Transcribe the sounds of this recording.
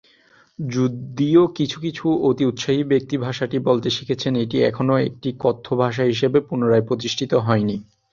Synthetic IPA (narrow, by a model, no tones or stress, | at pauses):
d͡ʑudd̪iokit͡ɕʰukit͡ɕʰuot̪iut̪ʃaɦibek̚t̪ibʱaʃaʈibolt̪eʃi̥kʰet͡ɕʰeneʈiɛ̰kʰonoek̚ʈikɔt̪ʰːobʱaʃ̬aɦiʃebepunoɾaepɾot̪̬iʃʈʰit̪oɦɔeni